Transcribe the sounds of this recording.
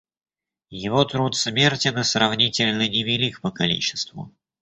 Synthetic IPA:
jɪvo̞t̪ɾut̪smʲe̞rtʲɪnɨsrɐvnʲitʲɪlʲnənʲɪvʲɪlʲikpəkɐlʲḭt͡ɕːɪ̥st̪vʊ̰

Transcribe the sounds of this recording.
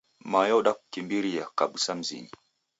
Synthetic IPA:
majɔɗaku̥kimbiɾiakaɓusam̩zḭɲi

